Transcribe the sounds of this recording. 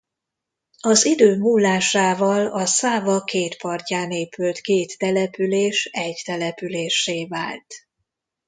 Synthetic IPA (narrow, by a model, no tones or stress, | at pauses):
ɒzid̪øːmuːlːaːʃaːvɒlɒsaːvɒkeːt̪pɒrcaːneːpylt̪keːt̪ːɛlɛpyleːʃɛɟt̪ɛlɛpyleːʃːeːva̰ːlt̪